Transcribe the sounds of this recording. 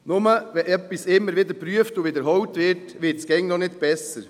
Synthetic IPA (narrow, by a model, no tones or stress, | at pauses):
nʊməɛʔœpːisɪmːəɾʋɪd̪əɾpɾyəftʊʋɪd̪əɾɦɔwtʋɪɾtʋɪtsɡ̥ɛŋnɔnɪtb̥ɛsəɾ